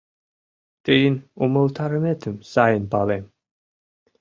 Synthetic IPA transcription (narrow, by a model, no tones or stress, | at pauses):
t̪ʼiinuməlt̪ʰaɾəmɛt̪ʰɨmsajənbalɛm